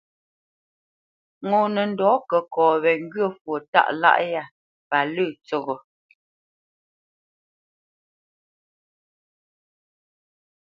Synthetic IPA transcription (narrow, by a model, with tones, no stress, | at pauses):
ŋo˨nə˨n̩˨dɔː˨˦kə˨kɔː˨βɛ˨ŋ˦ɡɰə˦˨fwo˨ta̰˦ʔla̰˦ʔja˦˨ | pa˨lə˦˨t͡sɔ˨ɣɔ˨